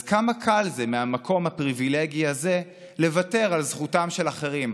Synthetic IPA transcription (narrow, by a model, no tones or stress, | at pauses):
zkamakʰalzemeamako̞mhapʁivileɡiaze̞ | le̞vate̞ʁalzχutamʃelaχeʁim